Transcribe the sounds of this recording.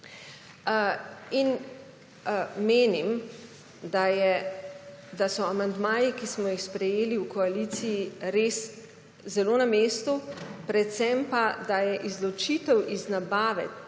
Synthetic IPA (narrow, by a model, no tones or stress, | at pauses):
in | meːnim | d̪ajɛ | d̪asɔamand̪maːjikismɔjixspɾɛjeːliwkɔalit̪sijiɾeːs | zɛloːnameːst̪upɾɛt̪t̪sɛmpad̪ajɛʔizlɔt͡ʃiːt̪ɛwʔiznabaːʋɛ̰